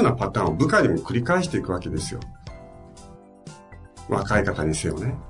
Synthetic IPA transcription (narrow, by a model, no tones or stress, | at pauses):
onapat̪ão̞bɯ̟kaɲ̟imo̞kɯ̟ɾʲikaeɕi̥t̪e̞ikɯake̞d̪e̞sɨjo̞̰ | βa̰kaikat̪aɲ̟isejo̰ne̞